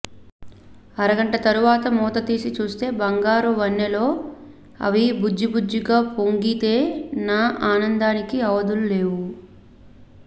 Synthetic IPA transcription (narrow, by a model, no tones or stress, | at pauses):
ɐɾɐɡɐɳʈɐt̪ɐɾuʋaːt̪ɐmɔːt̪ɐt̪iːsit͡ʃuːst̪e̞ːbɐŋɡaːɾuʋɐnːɐlo̞ː | ɐ̰ʋibud͡ʒːibud͡ʒːiɡaːpo̞ŋɡit̪e̞ːnaːʔaːnɐnd̪aːnikiɐʋɐd̪ulule̞ːwu